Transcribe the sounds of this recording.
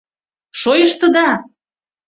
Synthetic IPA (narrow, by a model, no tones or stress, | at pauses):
ʃojəʃt̪ə̆d̪ɑ